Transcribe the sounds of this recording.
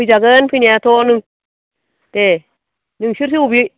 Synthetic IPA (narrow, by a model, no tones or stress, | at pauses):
id͡ʒaɡanfinijatoniŋ | te | niŋʃiɾs̬iwubi